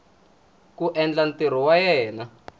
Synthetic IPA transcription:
kuʔɛnd͡ɮanteɾ̤ɔwajɛːna

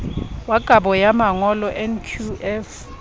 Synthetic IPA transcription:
waɡ̥ʱaɓɔjamaŋɔlɔʔɛnkʰuɛf

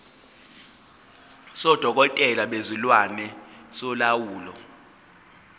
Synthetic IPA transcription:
sɔd̥ʱɔk̬ʼɔtʼɛlaɓezulwanɛsɔlawuːlɔ̰

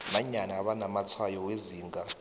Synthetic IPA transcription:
ɓaɲanaːɓanamat͡sʰwajɔweziːŋɡʱa

